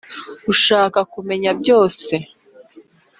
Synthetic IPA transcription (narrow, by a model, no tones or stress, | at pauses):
ɡuʃaːkakume̞ɲabɟo̞ːse̞